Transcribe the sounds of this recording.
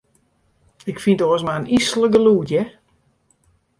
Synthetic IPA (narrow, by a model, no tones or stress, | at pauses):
ɪkfintɔəsmaənisələɡəluːtjɛ